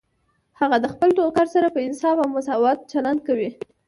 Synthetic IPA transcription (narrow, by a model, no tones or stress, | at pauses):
haɣad̪əxpəlʈ̪okaɾsaɾapəɪnsɑfawmʊsɑwɑt̪̚t͡ʃaland̪̚kawi